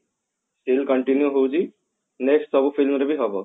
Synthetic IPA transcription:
sʈilkəɳʈinjuɦowd͡ʒi | neksʈsɔbufʰilmɾebʱiɦɔbɔ

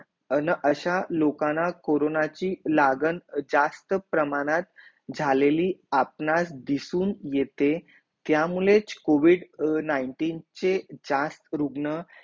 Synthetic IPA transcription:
ənəʔəɕalokanakoɾonat͡ɕiːlaɡənd͡zast̪əpɾəmaɽ̃at̪̚ | d͡zʱaleliːapnasd̪isuːnjet̪e | t̪jamulet͡skoʋiɽnaiɳʈiːnt͡sed͡zast̪ɾuɡnə

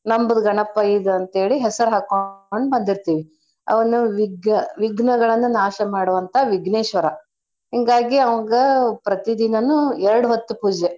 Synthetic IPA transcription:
nɐmbɐd̪ɐɡɐɳɐpːɐjid̪ɐnt̪ɦe̞ːɭiɦɛsɐɾuɦaːkoɐnːubɐnd̪iɾt̪iːʋi | ɐ̰ʋɐnːuʋiɡnɐʋiɡnɐɡɐɭɐnːunaːʃɐmaːɽuʋɐnt̪ʰɐʋiɡneːʃʋɐɾɐ | ɦiŋɡaːɡiɐʋɐɡɐpɾɐt̪id̪inɐnuɛɾɐɽuɦot̪ːupuːd͡ʒe

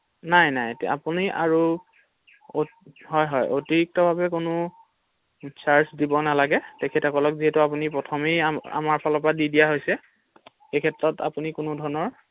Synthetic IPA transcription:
najnaja̰puniʔa̰ɹu | oɦɔjɦɔjʔotiɹik̚tɔbʱabɛkonʊ | saɹsdibɔnalaɡɛtɛkʰɛtakɔlɔkziɦɛtuapunipɹɔtʰɔmea̰maɹpʰalɔpadidijaɦojsɛ | xekʰɛtɹɔtʰa̰punikʊnʊdʱɔɹnɔɹ

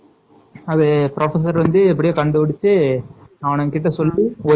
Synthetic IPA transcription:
ɐðepɪɾʔɐfɐs̬ɐɾʋɐnd̪ɯɛp̬ːɐɽɪjaːkɐɳɖɯʋɐɽɯt͡ʃːɯ | aʋɐnɐŋkɪʈ̬ːɐsɔlːiɔ

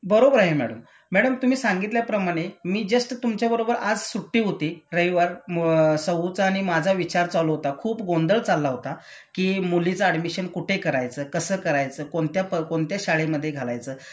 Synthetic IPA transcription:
bəɾobəɾaɦemæ̰ɽəm | mæɽəmt̪um̤iːsaŋɡit̪ljapɾəmaɽ̃emiːd͡zəsʈt̪umt͡ɕjabəɾobəɾad͡zsuʈːiːɦot̪iːɾəjʋəɾsəɦut͡saːɽ̃imad͡zʱaʋit͡ɕaɾt͡saluɦot̪akʰuːpɡond̪əɭt͡salːaɦot̪a | kiːmulit͡səəɖmiɕənkuʈʰekəɾajt͡səːkəsəːkəɾajt͡səːkoɳt̪japəkoɳt̪jaɕaɭeməd̪ʱːjeɡʱala̰jt͡səː

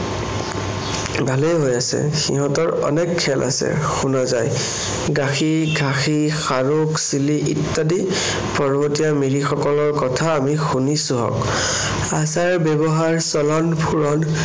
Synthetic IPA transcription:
bʱalejɦojasɛ̰xḭɦɔ̃tɔɹɔ̰nɛkʰːɛlʔa̰sɛ̰xunɔzaj | ɡaxiɡʱaxixaɹuksiliʔitːadi | pɔɹbʱotijamiɹixɔkɔlɔɹkɔtʰaːmixunisuɦɔ̰k | asaɹbɛbɔɦaɹsɔlɔnpʰuɹɔn

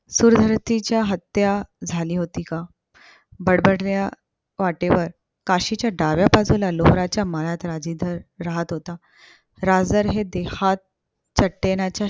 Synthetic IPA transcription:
suɾd̪ʱəɾt̪it͡ɕjaɦət̪jad͡zʱaliːɦot̪iːka | bəɽbəɽlja | ʋaʈeʋəɾ | kaɕit͡ɕjaɖaʋjapad͡zulaloɦɾat͡ɕjaməɭat̪ɾad͡ʑid̪ʱəɾːaɦət̪ɦot̪a | ɾad͡zəɾɦed̪ehat̪̚ | t͡ɕəʈːenat͡ɕja

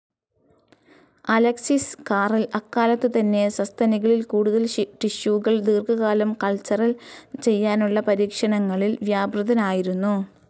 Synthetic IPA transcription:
ɐlɐksiskaːrilɐkːaːlɐt̪ːɨt̪ɐnːe̞sɐst̪ʰɐniɣɐɭilkuːɽuðɐlʈiɕuːɣɐɭd̪iːrkɐɣaːlɐmkɐlt͡ɕɐrɐlt͡ɕe̞jːaːnuɭːɐpɐɾiːkʂɐɳɐŋːɐɭilʋjaːbrɐðɐnaːjiɾunːu

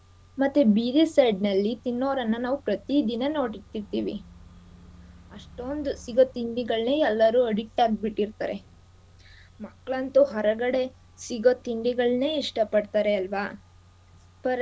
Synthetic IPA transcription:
mɐt̪ːubiɾisɐjɖnɐlːit̪inːoːɾɐnːɐnaːʋupɾɐt̪id̪inɐno̞ːʈit̪ːiɾt̪iːʋḭ | ɐʂʈond̪usiɡo̞t̪iɳɖiɡɐɭne̞ːɛlːɐɾuːɐɽiʈːaːɡ̚biʈːiɾt̪a̰ːɾe̞ | mɐkːɭɐnt̪uɦɐɾɐɡɐɽe̞ | siɡot̪iɳɖiɡɐɭne̞ːiʂʈɐpɐɽt̪aːɾeɐlʋa | pɐɾ

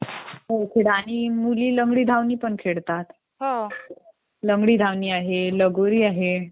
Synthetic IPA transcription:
ɦokʰeɽaɽ̃imuliːləŋɡɽiːd̪ʱaʋniːpəɳkʰeɭt̪at̪ | ɦo | ləŋɡɽiːd̪ʱaʋniːaɦeləɡoɾiːaɦe

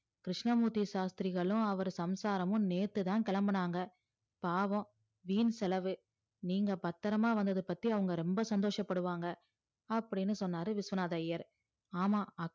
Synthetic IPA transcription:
kɾɪʂɳɐmuːt̪ːiʃaːst̪ɪɾɪɣɐɭʊ̃ɐʋɐɾɯsɐmsaːɾɐmʊ̃neːt̪ːɯt̪ãːnkɛɭɐmbɐɳaːŋɡɐ | paːʋɐ̃ | ʋiːnsɛlɐʋɯ | niːŋɡɐpɐt̪ːɐɾɐmaːʋɐnd̪ɐðɯpɐt̪ːiɐʋɐŋɡɐɾɛmbɐsɐnd̪oːʂɐpːɐɽɯʋaːŋɡɐ | ɐpːɐɽɪnːɯsɔnːaːɾɯʋɪsʋɐnaːðɐjɐɾ | aːmaːɐ

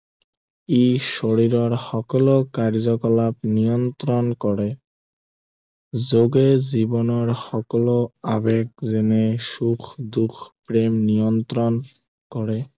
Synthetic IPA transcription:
eʃoɾiɾɔɹxɔkɔlokaɹzɔkɔlapnijɔnt̪ɾɔnkɔɾe | zoɡezibɔnɔɹxɔkɔloabeɡ̚zɛneʃukʰd̪ukʰpɾemnijɔnt̪ɾɔn | kɔɾɛ

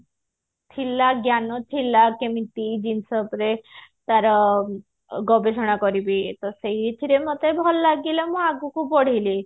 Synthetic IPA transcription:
t̪ʰilaɡjanɔt̪ʰilakemit̪id͡ʒinsɔpɾet̪aɾɔ | ɡɔbesɔɽ̃akɔɾibit̪ɔsejit̪ʰiɾemɔt̪ebʱɔlːaɡilamũaɡukupɔɽ̤ili

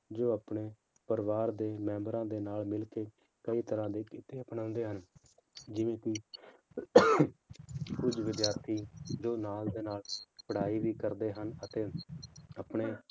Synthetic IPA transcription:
d͡ʒoːəpɳeː | pəɾʋaːɾd̪eːmɛ̃ːmbəɾãːd̪eːnaːlmɪlkeː | kəiːt̪əɾãːd̪eːkɪt̪eːpɳə̃ʊnd̪eːɦən | d͡ʒɪʋẽːkɪ | kʊd͡ʒʋɪd̪jaːɾt̪ʰiːd͡ʒoːnaːld̪eːnaːlpəɽ̤aːiːʋiːkəɾd̪eːɦənət̪eːəpɳeː

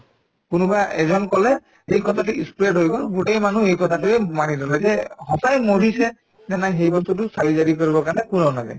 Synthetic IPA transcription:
kʊnubaʔɛzɔnkɔlɛ | ejkɔtʰatuispɹeʈɦojbɔlɡuʈejmanuejkɔtʰatuejmanidɔlazɛɦɔsajmoɹisɛ | nɛnajxejbɔst̪ut̬ʊsalizaɾikoɹibɔkaɹnɛkunɔwnaza̰j

